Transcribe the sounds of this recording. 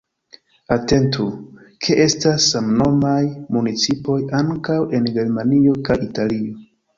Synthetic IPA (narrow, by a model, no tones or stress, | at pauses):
ate̞ntu | kʰe̞ʔe̞stasːamno̞majmunit͡sipo̞jaŋkawʔe̞nɡe̞ɾmanio̞kajitalio̞